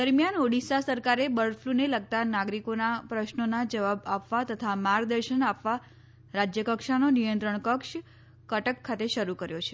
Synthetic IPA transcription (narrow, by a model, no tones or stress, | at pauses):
d̪əɾmjanoɽisasəɾkaɾebəɭfʰluneləɡ̚t̪anaɡɾikonapɾəʃnonad͡ʒəʋabapʋat̪ət̪ʰamaɾɡ̚d̪əɾʃənapʋa | ɾad͡ʒjəkəkʃanonijənt̪ɾəɳkəkʃ | kəʈəkʰːat̪eʃəɾukəɾjot͡ʃʰe̥